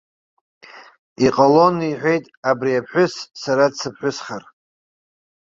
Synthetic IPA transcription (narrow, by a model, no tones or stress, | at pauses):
iqʼalo̞niħʷᶣe̞jtʼabriapʰħʷᶣʊsːaɾadsʰɨpʰħᶣʷʊsχar